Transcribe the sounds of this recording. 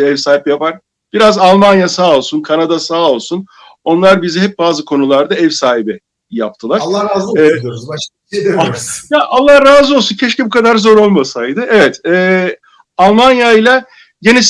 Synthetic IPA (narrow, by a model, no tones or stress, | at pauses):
ɛvsaːhipjapaɾ̥ | b̥iɾazalˠmanjasaːo̞lˠsunkʰanad̪asaːo̞lˠsun | o̞nlˠaɾbiziɦɛp̚baːzɯkʰo̞nulˠaɾd̪aɛvsaːɦibɪ | ja̰p̚t̪ʰɯlˠaɾlˠːaɾaːzˠoɾza | jaʔalˠːahɾaːzɯo̞lˠsuncʰeʃcibukʰad̪aɾzo̞ɾo̞lˠmasajd̪ɯevɛt̪ɛː | alˠmanjajlʲˠa | ɟenis